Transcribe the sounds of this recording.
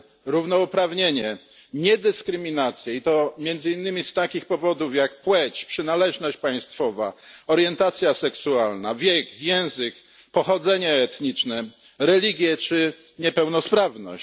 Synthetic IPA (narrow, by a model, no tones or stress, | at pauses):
ɾuvnɔupɾavɲeɲɛ | ɲɛd̪ɘskɾɘmʲinat̪sʲjɛit̪ɔmʲjɛnd̪zɘinːɘmʲist̪akʲixpɔvɔd̪ufjakpwɛt͡ɕpʂɘnalɛʐnɔɕt͡ɕpaj̃st̪fɔva̰ɔɾjɛnt̪at̪sʲjasɛksualnavʲjɛkjɛw̃zɘk | pɔxɔd̪zɛɲɛːt̪ɲit͡ʂnɛ | ɾɛlʲiɡʲjɛt͡ʂɘ | ɲɛpɛwnɔspɾavnɔ̰ɕt͡ɕ